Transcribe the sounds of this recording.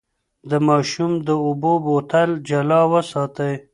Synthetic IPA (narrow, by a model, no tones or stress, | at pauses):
d̪əmɑːʃumd̪əʊbobot̪ald͡ʒalɑwəsɑt̪əj